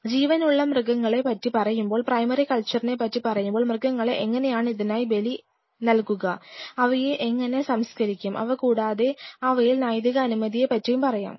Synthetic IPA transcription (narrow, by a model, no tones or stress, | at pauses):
d͡ʑiːʋɐnuɭːɐmrɨɡɐŋːɐɭe̞pɐtːipɐrɐjumbo̞ːɭprɐjmɐrikɐlt͡ɕːɐrine̞pɐtːipɐrɐjumboːɭmrɨɡɐŋːɐɭeʔeŋːɐne̞jaːɳɨiðinaːjibe̞li | nɐlkuɣɐɐʋɐjeʔeŋːɐne̞sɐmskɐɾikʲːumʔɐ̰ʋɐkuːɽaːðe̞ɐʋɐjilnaːjd̪iɣɐːnumɐðije̞pɐtːɐjumpɐrɐja̰ːm